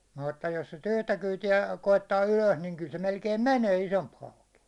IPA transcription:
mutːɑ jos sit yhtæ kyːtiæ koitːɑː yløs niŋ kyl se melkeim mæneː isomp hɑuki

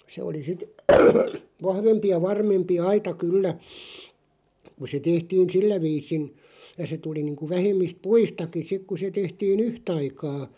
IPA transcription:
se oli sit ʋɑhʋempi jɑ ʋɑrmempi ɑitɑ kylːæ ku se tehtiːn̞ silːæ ʋiːsin jɑ se tuli niːŋku ʋæhemˑist puistɑki sik ku se tehtiːn yhtɑikɑː

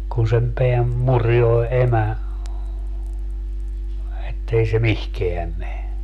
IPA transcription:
kun sem peæm murjoe emæ etːei se mihkeæm me

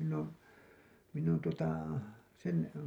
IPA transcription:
minː oːn minː on tuotɑ sen

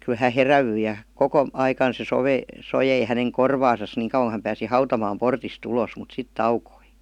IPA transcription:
ky hæ heræʋyi jɑ koko ɑikɑn se soʋe sojei hæneŋ korʋɑːsɑs niːŋ kɑuw̥ɑŋ ku hæm pæːsi hɑutɑmɑːm portist ulos mut sit tɑukoi

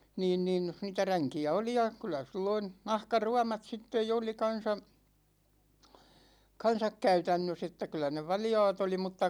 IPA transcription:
niːn nin niːtæ ræŋkiæ oli jɑ kylˑæ silːoin̞ nɑhkɑruɑmɑt sitːej jo oli kɑn̞sɑ kɑn̞sɑk kæytænːøs etːæ kylˑæ ne ʋɑljɑ̝ːt oli mutːɑ

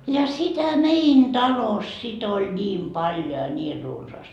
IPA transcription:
jɑ sitæ mein tɑlos sit olʲ nʲiːm pɑljo jɑ niːr runsɑːst

